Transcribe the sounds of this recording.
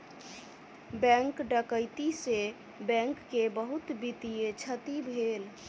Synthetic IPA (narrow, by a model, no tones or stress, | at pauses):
bɛ̃ŋkɖəkəɪt̪ise | bɛ̃ŋkːebəɦut̪bit̪ijet͡ʃʰət̪ibʱel